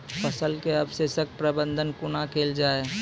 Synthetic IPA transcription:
fəsəlkeɐbseːsək̚pɾəbə̃nd̪ʱənkunakʰeːld͡ʒaːe

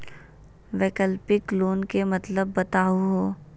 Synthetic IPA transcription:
ʋeːkəlpɪkloːnkemɐt̪ləbːɐt̪aːɦuɦoː

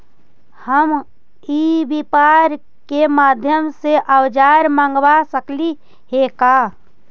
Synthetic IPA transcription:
həm | ibipaɾ | kemaːd̪ʱjəmseʔəwd͡ʒaːɾmãːŋɡwasəkli | ɦekaː

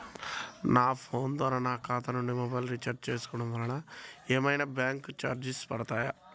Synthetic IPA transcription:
naːpʰoːnd̪ʋaːɾaːnaːkaːt̪ɐnuɳɖimɔbaːjlɾit͡ʃɐɾt͡ʃeːsu̥kɔɽɐmʋɐlɐnɐeːmɐjnabjaːŋkut͡ʃa̰ːɾd͡ʒispɐɽɐt̪aːjɐ

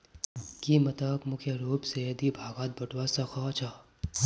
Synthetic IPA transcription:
kimɐt̪aːkmʊkʰjəɾoːpsɐjɐd̪ibʱaːɡaːt̪̚bɐʈʰwasɐxʰaːt͡ʃʰaː

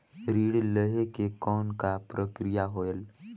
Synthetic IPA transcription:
ɾiːɽləɦekekɔːnkapɾəkɾijaɦoːəl

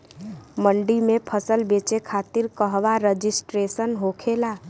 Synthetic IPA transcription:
məɳɖimẽpʰəsəlbet͡ʃekʰat̪iɾkəɦʋaɾəd͡ʒisʈɾesənɦokʰela

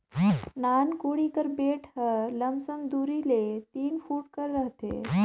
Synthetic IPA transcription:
nankuɽikəɾbeʈʰɦələmsəmd̪uɾilet̪iːnfuːʈkəɾːəɦt̪ḛ

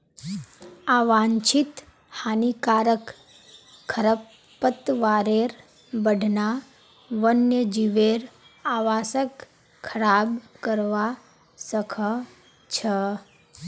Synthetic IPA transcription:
aːʋaːɲt͡ʃʰit̪ | haːnikaːɾək | kʰːəɾəpː | ət̪ʋaːɾeɾ | bəɖʱna | ʋənjəd͡ʒiʋeɾ | aːʋaːsək | kʰːɐɾaːbkəɾʋa | səkʰə | t͡ʃʰə

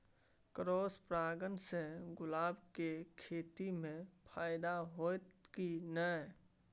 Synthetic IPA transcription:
kɾoːspɾaːɡənsẽɡʊlaːbkekʰeːt̪imẽpʰaːɪd̪aɦot̪kinə

